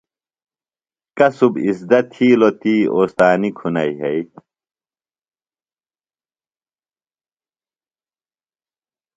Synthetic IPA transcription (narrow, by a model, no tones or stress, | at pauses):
kɐsubisd̪ɐt̪ʰiːlot̪iːoːst̪aːnikʰunɐjɦej